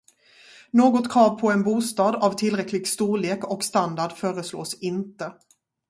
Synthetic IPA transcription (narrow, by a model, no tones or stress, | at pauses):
noːɡɔt̪kʰɾɑːvpʰɔɛnbuːst̪ɑːd̪avt̪ʰɪlɾɛklɪɡst̪uːɭeːkɔkst̪and̪aɖfœːɾəslo̰ːsɪnt̪ə